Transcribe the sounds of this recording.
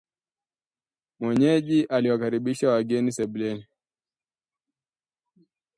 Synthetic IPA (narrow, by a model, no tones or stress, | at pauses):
mwɛɲɛʄiʔaliwakaɾiɓiʃawaɡɛnisɛɓlɛni